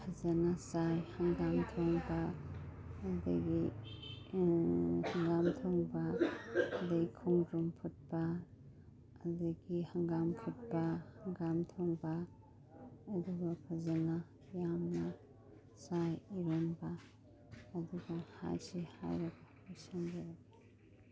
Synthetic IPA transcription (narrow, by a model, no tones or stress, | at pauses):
pʰɐzɐnasajhɐŋɡamtʰoŋba | ɐdɐ̰ɡi | hɐŋɡamtʰoŋbaː | dekʰuŋdɾumpʰut̚bɐ | dɐɡihɐŋɡampʰut̚bɐhɐŋɡamtʰoŋba | duɡɐpʰɐzana | jamnɐ | sajiɾonbaː | duɡɐha̰jsiha̰jɾɐɡa | asanbeɾaɡe